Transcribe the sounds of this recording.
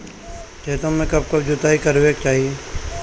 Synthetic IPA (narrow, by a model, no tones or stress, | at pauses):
t͡ʃɛːt̪õmːẽkɐb̚kɐb̚d͡ʒʊt̪aːikɐɾʋeːk̚t͡ʃaːɦie